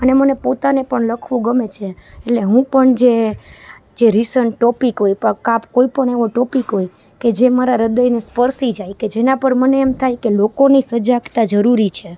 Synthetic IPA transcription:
ənemənepot̪anepəɳləkʰʋũɡəmet͡ʃʰeeʈleɦũpəɳd͡ʒe | d͡ʒeɾisəɳʈːɔpikɦojpəkapkoipəɳ̃eʋoʈɔpikɦoj | ked͡ʒemaɾaɾəd̪əjnespəɾsid͡ʒajked͡ʒenapəɾməneːmt̪ʰajkelokonisəd͡ʒakt̪ad͡ʒəɾuɾit͡ʃʰe

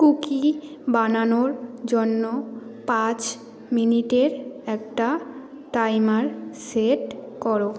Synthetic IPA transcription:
kukibananoɾd͡ʑonːopãt͡ɕ | miniʈeɾɛkʈa | ʈajmaɾseʈkɔɾo

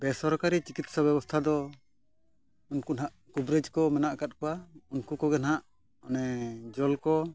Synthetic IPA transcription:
bɛsɔɾkaɾit͡ʃikit̪sɔbɛbɔst̪ʰad̪ɔ | unkunaʔkubɾɛd͡ʒkɔmɛnaʔkat̪̚kɔwaunkukɔɡɛnɦaʔ | ɔnɛd͡ʒɔlkɔ

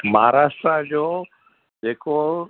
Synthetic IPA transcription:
maɦaɾaːʃʈɾad͡ʑoː | d͡ʑeːko

